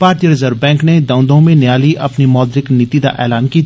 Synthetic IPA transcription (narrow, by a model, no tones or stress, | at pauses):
paːɾt̪ijəɾɪzəɾbɛ̃ːŋkned̪ɐ̃ʊnd̪õmẽnɪjaːliʔɐpnimɔːd̪ɾɪknɪt̪iːd̪a̰ʔɛːlaːnki